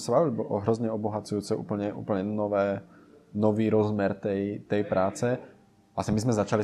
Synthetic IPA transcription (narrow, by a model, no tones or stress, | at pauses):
sabaʋilbɔʔɔɦɾɔzɲɛɔbɔɦat͡sujuːt͡sɛṵːpl̩ɲɛʔṵːpl̩ɲɛnɔʋɛː | nɔʋiːɾɔzmɛɾt̪ɛjt̪ɛjpɾaːt͡sɛ | asimizmɛzat͡ʃali